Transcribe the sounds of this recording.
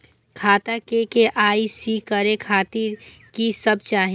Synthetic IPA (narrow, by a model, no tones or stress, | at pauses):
kʰaːt̪akekeʔaːisikəɾekʰaːt̪iɾkisəb̚t͡ʃaːɦ